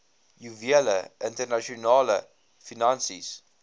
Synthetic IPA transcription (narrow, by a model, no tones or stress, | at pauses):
juviələʔɪ̃ntənaʃɔnaːlə | finãnsis